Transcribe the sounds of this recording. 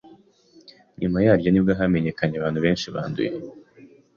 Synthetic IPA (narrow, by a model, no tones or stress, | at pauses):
ɲumajaːɾɟonibɡaɦame̞ɲe̞kaɲeaβaːnhuβe̞ːnʃiβa̰ːndṵje